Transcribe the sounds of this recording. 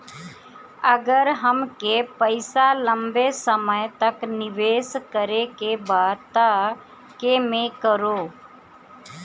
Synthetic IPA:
əɡəɾɦəmkepəɪsalə̃mbesəməjt̪ɐknɪʋeːskəɾekebaːt̪a | kemẽkəɾoː

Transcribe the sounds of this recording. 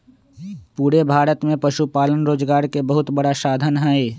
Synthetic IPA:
puːɾebʱaːɾət̪mẽpɐʃupaːlənɾoːd͡ʒɡaːɾkebəɦʊt̪bɐɽaʃaːd̪ʱənɦɛe

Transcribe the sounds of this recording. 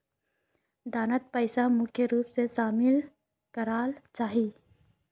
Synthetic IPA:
d̪aːnət̪̚pəːɪsamʊkʰjəɾuːpseʃaːmɪl | kəɾaːlt͡ʃaːɦiː

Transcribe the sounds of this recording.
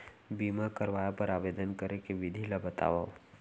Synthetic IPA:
biːmakəɾʋaːjapəɾaːʋeːd̪ənkəɾekeʋɪd̪ʱilabət̪a̰ːʋa̰

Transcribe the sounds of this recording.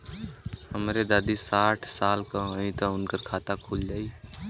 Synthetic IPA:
ɦəmɾed̪aːd̪isaːʈʰsaːlkaɦə̃ĩt̪aʊnkəɾkʰaːt̪akʰuːld͡ʒaːi

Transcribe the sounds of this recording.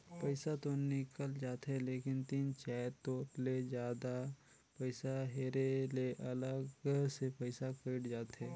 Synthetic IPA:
pəɪsat̪onɪkəld͡ʒaːt̪ɦɛ̃leːkɪnt̪iːnt͡ʃɛːt̪oːɾled͡ʒjaːd̪a | pəɪsaɦeːɾeleʔɐləɡsepəɪsakəɪɽd͡ʒaːt̪ɦɛ̃ː

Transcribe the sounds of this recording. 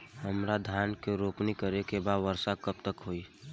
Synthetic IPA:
həmɾad̪ʱjankeɾopnikəɾekebad̪ʋəɾsakəp̚t̪əkɦoi

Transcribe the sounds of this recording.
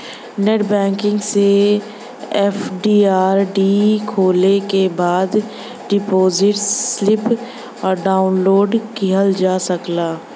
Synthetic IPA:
neːʈbɛ̃ːŋkɪ̃ŋɡse | ɛfɖiːaːɾɖikʰoːlekebaːd̪ | ɖɪpoːzɪʈslɪp | ɔːɾɖaːʊnloːɖkiɦəld͡ʒaːsəklaː

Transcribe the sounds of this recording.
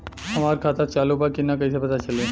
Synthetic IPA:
ɦɐmaːɾkʰaːt̪at͡ʃaːlobakinakɐisepɐt̪at͡ʃɐleː

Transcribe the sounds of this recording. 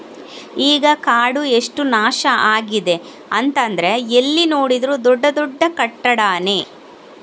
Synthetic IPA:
iːɡɐkaːɽue̞ʂʈunaːʃɐʔaːɡid̪e̞ | ɐnt̪ɐnd̪ɐɾe̞elːino̞ːɽid̪ɐɾuːd̪ɔɖːɐd̪ɔɖːɐkɐʈːɐɽaːneː

